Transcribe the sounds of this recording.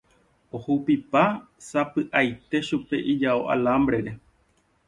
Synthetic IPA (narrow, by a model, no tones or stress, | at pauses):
ohuwpipa | sapɨʔajt̪e̞ʃupe̞ʔid͡ʒao̰ʔa̰lambɾe̞ɾe̞